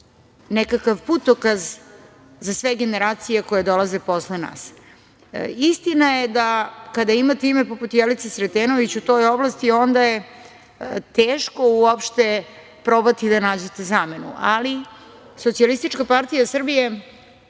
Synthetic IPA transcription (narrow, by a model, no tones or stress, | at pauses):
nekakaʋput̪okaz | zasʋe̞ɡe̞ne̞ɾaːt̪sije̞kojed̪o̞lˠazepo̞slena̰ːs | ist̪inaje̞d̪akad̪aimat̪imepoput̪jelit̪sesɾet̪eːno̞ʋit͡ɕut̪o̞jo̞blˠast̪io̞nd̪aje | t̪eːʃko̞uopʃt̪e̞ | pɾo̞bat̪id̪anaːd͡ʑet̪ezaːme̞nṵʔali | sot̪sialist̪it͡ʃkapaɾt̪ijasr̩bije̞